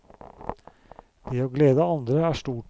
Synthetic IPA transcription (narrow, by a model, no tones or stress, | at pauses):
d̪̥eːoːɡleːd̪əɑnd̪ɾəæːʃʈuːʈ